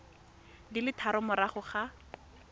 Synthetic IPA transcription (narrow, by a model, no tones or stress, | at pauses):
dilɪtʰaɾʊmʊɾaχʊχa